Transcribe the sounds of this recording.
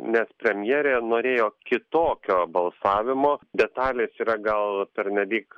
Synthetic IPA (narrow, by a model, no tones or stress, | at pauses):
nʲɛspʲɾʲɛmʲjɛːɾʲeːnoːɾʲeːjoːkʲɪt̪oːkʲoːbɐlˠsɑːʋʲɪmoːd̪ʲɛt̪ɑːlʲeːsiːɾɐɡɐlˠpʲɛɾʲnʲɛlʲiːk